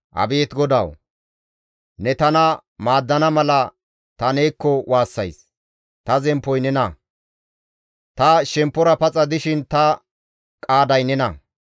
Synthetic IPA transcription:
ʔɐ̰beːt̪ɡɔd̪ɐ̰w | nɛt̪ɐnɐ | maːd̪ːɐnɐmɐlɐ | t̪ɐneːkːɔwʔaːsːɐjs | t̪ɐzɛmpːɔjnɛnɐ | t̪ɐʃɛmpːɔɾɐpɐt͡sʼɐd̪ɪʃɪnt̪ɐ | kʼaːd̪ɐjnɛnɐ

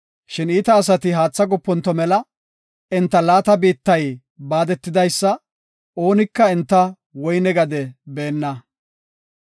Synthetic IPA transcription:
ʃɪniːt̪ɐːs̬ɐt̪ɪɦaːt͡sːɐɡɔpːɔnt̪ːɔmɛlɐ | ɪnt̪ːɐlaːt̪ɐbiːt̪ːɐj | baːd̪ɛt̪ːɪd̪ɐjsːɐ | ʔo̞ːnɪkːɐɛnt̪ːɐ | wɔjnɛɡɐd̪ɛbe̞ːnːɐ

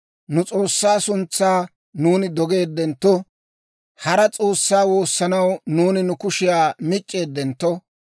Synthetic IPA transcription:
nʊt͡sʼoːsːaːsʊnt͡sːaː | nuːnɪd̪ɔɡe̞ːd̪ːɛnt̪ːɔ | hɐɾɐt͡sʼo̞ːsːaːwo̞ːsːɐnɐwnuːnɪnʊkʊʃɪjaːmɪt͡ʃʼːe̞ːd̪ːɛnt̪ːɔ

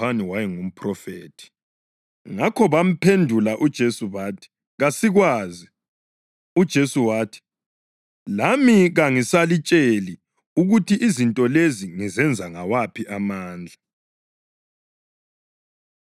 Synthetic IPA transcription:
aniwajiŋum̩pʰrɔfeːtʰi̥ | ŋakʰɔβam̩pʰendʱulaʔud̥ʒ̥ʱesuβaːtʰi̥ | ɣasiɣwaːzi | ud̥ʒ̥ʱesuwaːtʰi̥ | lamiɣaŋisalit͡ʃʼeli | uɣutʰiʔizintʼɔleziŋizɛnd͡zʱaŋawapʰiʔamaːnd͡ɮʱa

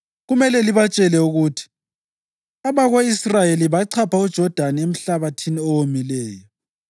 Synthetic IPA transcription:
ɣumɛlɛliβat͡ʃʼɛlɛuɣutʰi̥ | aβaɣoisrajeliβaǀʰapʰaud̥ʒ̥ʱɔd̥ʱaniem̩ɬaβatʰiniowomilɛːjɔ

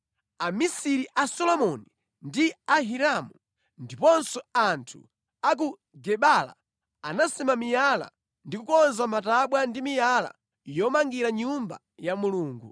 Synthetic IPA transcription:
amisiɾiʔasɔlɔmɔni | ndiaɦiɾamu | ndipɔnsɔantʰu | ak̬u | ɡɛɓala̰ | anasimamijala̰ | ndikukɔnzamataɓwandimijala̰ | jɔmaŋɡiɾaɲumba̰ | jamuluːŋɡu

